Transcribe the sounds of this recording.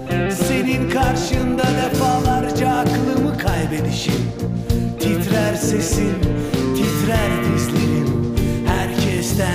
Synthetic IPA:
se̞ninkʰaɾʃɯnd̪ad̪efaːlˠaɾd͡ʒaːkʰlˠɯmɯkʰajbe̞d̪iʃin | t̪ʰit̪ʰɾæɾse̞sin | t̪ʰit̪ɾæɾd̪izlʲeɾinhæɾcʰɛst̪æ

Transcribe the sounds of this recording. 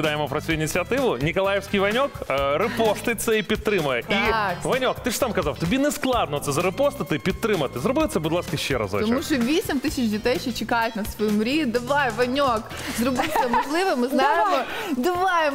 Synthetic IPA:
ɪd̪ajɪmupɾɐsʲuɪnʲɪsʲɨɐt̪ɨvʊnʲɪkɐlˠajɪfsʲkʲijvɐnʲokɾɨpost̪ɨjt̪səipʲɪt̪ːɾɨməʔivɐnʲokt̪ɨʂt̪amkɐzafˠt̪ʊbʲinɨsklˠad̪nʊt̪səzɐɾɨpost̪ɐt̪ɨpʲɪt̪ːɾɨmət̪ɨzɾʊbɨt̪sʲəbʊd̪lˠaskəɕːɛɾa̰zɐ̰t̪ɔmuʃɔʋʲisʲɪmʲt̪ɨsʲɪt͡ʃdʲɪt̪ɛjʃɔt͡ʃɪkajʊtʲnɐsʋɐjimʊɾʲid̪ɪʋɑjʋɐnʲok | zɾʊbɨsʲɐmɐʒlˠɨʋɨmɨznajjɪd̪ɪʋɑjɪm

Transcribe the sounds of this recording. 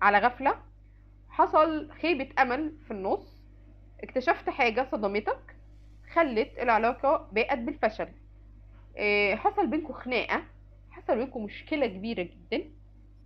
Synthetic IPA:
ʕalæɣæflæ | ħɑsˤɑlxeːbet̪ʔæmælfinːosˤː | ʔekt̪æʃæft̪ħaːɡæsˤɑd̪ɑmet̪ɑk | xælːet̪elʕelɑːqɑbæːʔæt̪̚belfæʃæl | ħɑsˤɑlbenkuxenæːʔæ | ħɑsˤɑlbenkumoʃkelækebiːɾæɡed̪ːæn

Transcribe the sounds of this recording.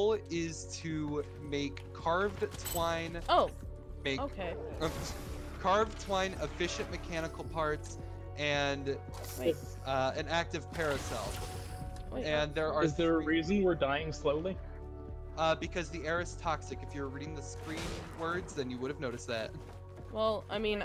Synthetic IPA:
lˠɪz̥tʰɨ | meɪkʰːɑɹvdtʰw̥ãɪ̃noʊ | meɪokʰɪ | kʰɑɹvtʰw̥ãɪ̃nɪfɪʃɨ̃nmɨkʰæñəkl̩ˠpʰɑɹts | ʔɨ̃n | ʌɨ̃næk̚tɨv̥pʰɛɹɨsɛ̰lˠf | ɨ̃nðə˞əɨzðə˞ɹizɨ̃nwə˞daɪɪ̃ŋsloʊlˠi | ʌbɨkʰʌzðiɛɹɨz̥tʰɑksɨkɨfjə˞ɹiɾɪ̃ŋðɨskɹĩnwɜ˞dzðɨ̃njɨwʊɾɨvnoʊɾɨs̚ðæ̰t̚ | wɛlˠa̰ɪmĩn

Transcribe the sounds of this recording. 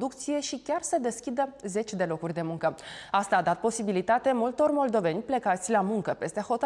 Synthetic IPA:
d̪ukt̪sije̞ʃikʲarsəd̪e̞skʲid̪əze̞t͡ʃʲd̪e̞lo̞kurʲd̪e̞muŋkəast̪aːd̪at̪̚po̞sibilit̪at̪e̞mult̪o̞rmo̞ld̪o̞venʲplekat̪sʲlamuŋkəpe̞st̪e̞ho̞t̪ə

